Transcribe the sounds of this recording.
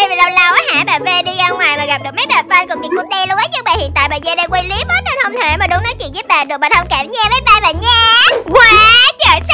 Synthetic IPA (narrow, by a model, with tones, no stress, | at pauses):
va˨˩la˧wla˧wʔaː˨˦ha̰ː˧˩˦ɓaː˨˩ve˧ɗi˧ɣaː˧ŋwaː˨˩jmaː˨˩ɣa˨˩p̚ɗɨ˨˩ək̚m˨˦jɓaː˨˩fə˧nkʊ˨˩mi˨˩ŋku˦˥k̚ɗe˧lʊ˧˥ʔə˨˦jt͡ɕɨ˦˥k̚ɓaː˨˩hḭ˧˨nt̪a̰ː˧˨jɓaː˨˩zəː˧ɗə˧kwe˧li˨˦əɓəː˦˥t̚hə˧˨nhə˧wŋ͡mt̪ʰe˧˩˦maː˨˩ɗʊ˨˦ŋ͡mnɔ˨˦t͡ɕwḭ˧˨nzɨ˦˥p̚ɓaː˨˩ɗɨ˨˩k̚ɓa˨˩hə˧wŋ͡mkaː˧˩mɲɛ˧vəː˨˦jɓaː˧˩vaː˨˩ɲɛ˧kwaː˨˦t͡ɕəː˧˨˩s